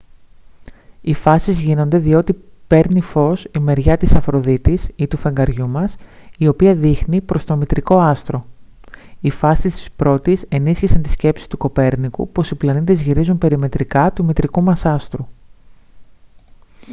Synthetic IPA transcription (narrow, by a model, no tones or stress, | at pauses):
ifɐsizʝino̞nd̪e̞ðio̞t̪ipe̞ɾnifo̞sime̞ɾʝɐt̪isɐfɾo̞ðit̪isit̪ufe̞ŋɡɐɾʝumɐsio̞piɐðixnipɾo̞st̪o̞mit̪ɾiko̞ɐst̪ɾo̞ | ifɐsist̪i̥spɾo̞t̪ise̞nisçisɐnt̪i̥sce̞psi̥t̪uko̞pe̞ɾnikṵpo̞siplɐnit̪e̞zʝiɾizumpe̞ɾime̞t̪ɾikɐt̪umit̪ɾikumɐsɐst̪ɾu